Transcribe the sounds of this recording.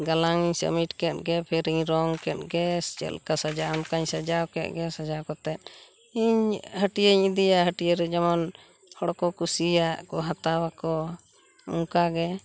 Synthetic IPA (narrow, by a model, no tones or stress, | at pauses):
ɡalaŋiɲsə̰miʈkɛt̪̚ɡɛpʰɛɾiɲɾɔŋkɛt̪̚ɡɛst͡ʃɛ̰lkasad͡ʒaamkaɲsad͡ʒawkɛt̪̚ɡɛsad͡ʒawkɔt̪ɛt̪̚ | iɲhəʈijəɲid̪ijaɦəʈijəɾɛd͡ʒaman | hɔɽkɔkusijaʔkɔɦat̪awakɔ | ṵŋkaɡɛ